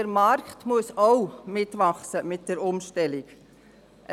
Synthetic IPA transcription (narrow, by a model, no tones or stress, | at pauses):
əɾmɑɾktmuəsɔwmɪtʋɑχsəmɪt̚d̥əɾʊmʃtɛlɪk | ʔə